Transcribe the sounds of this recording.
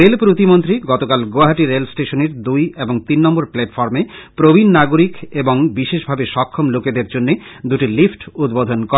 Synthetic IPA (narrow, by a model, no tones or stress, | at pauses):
ɾelpɾot̪imont̪ɾiɡɔt̪okalɡoaɦaʈiɾelsʈeʃoneɾd̪ujeboŋt̪inːɔmboɾplɛʈfɔɾmepɾobʱinːaɡoɾikeboŋbiʃeʃbʱabeʃɔkʰːomloked̪eɾd͡ʑonːed̪uʈilifʈud̪bod̪ʱonkɔ